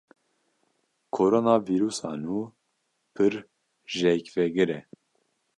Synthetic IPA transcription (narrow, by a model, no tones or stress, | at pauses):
kʰoɾonɑːviɾuːsɑ̰ːnuː | pʰɨɾ | ʒɛkvɛɡɨɾɛ